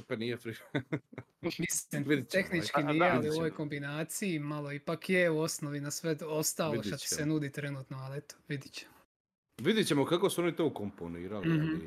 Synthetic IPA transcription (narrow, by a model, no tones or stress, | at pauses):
panijefɾi | misiit̪exnit͡ʃkinijɛalioʋojko̞mbinaːt̪sijimalˠoipakjeuosnoʋinasʋet̪ost̪aːloʃt̪at̪i̥sɛnuːd̪it̪ɾenuːt̪noalet̪o̥ʋid̪it͡ɕe̥m | ʋid̪it͡ɕemokakosuonit̪oːkomponiːɾali